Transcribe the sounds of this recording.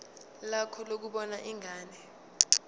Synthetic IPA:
lakʰɔlok̬uɓɔnaʔiŋaːnɛ

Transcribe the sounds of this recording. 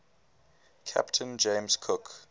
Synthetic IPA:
kʰa̰ptʰə̃nd͡ʒẽmskʰʊk

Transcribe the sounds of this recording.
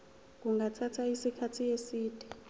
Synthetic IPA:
k̬uŋatʰatʰaisikʰatʰiesiːd̥ʱi̥

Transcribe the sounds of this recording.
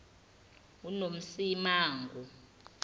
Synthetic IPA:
unom̩simaːŋɡʱu

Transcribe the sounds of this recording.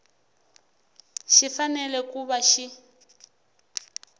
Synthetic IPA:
ʃifanɛlɛkuβaʃi

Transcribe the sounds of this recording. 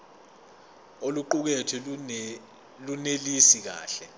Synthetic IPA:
oluǃuk̬etʰɛ | lunelisik̬a̰ːɬɛ

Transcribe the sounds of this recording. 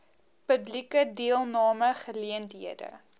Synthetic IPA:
pəblikədiəlˠnɑːməχəliəntɦiədə̰

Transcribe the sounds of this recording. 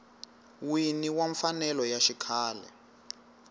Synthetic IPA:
winiwaɱfanɛlɔjaʃikʰaːlɛ̰

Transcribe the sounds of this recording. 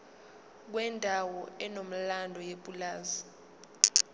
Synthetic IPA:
k̬wɛndʱawɔɛnom̩landʱɔjeɓʼulaːzi

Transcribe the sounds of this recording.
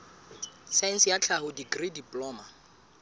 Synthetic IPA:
sajnsjat͡ɬʰaɦʊdiɡridipʼlɔːma

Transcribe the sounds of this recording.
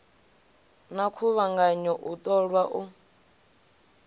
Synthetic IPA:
nakʰuβaŋɡaɲɔʔutʼɔɺwaʔu

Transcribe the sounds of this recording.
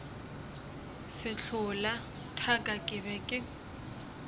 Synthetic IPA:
sɪɬʰʊla | tʰakʼakʼɪβɛkʼɪ

